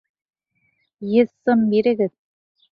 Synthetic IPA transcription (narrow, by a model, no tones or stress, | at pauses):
jɘ̆ðsɤ̆mːiɾɘ̆ɡɘ̆ð